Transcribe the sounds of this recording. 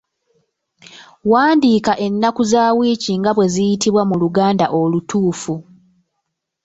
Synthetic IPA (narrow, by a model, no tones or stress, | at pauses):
waːndiːkaʔe̞nːakuzaːwiːciŋɡaβwe̞zijitiβwamuluɡaːnda̰ʔo̞lutʰuːfu